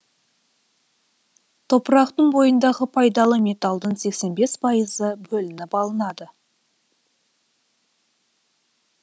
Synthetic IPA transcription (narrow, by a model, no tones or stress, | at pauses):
t̪ʰo̞pəɾɑqt̪əɴbo̞jənd̪ɑʁəpʰɑjd̪ɑlˠəme̞t̪ɑlˠd̪əɴse̞kse̞nbe̞spʰɑjəzəbɵlɪnɪpɑlˠənɑd̪ə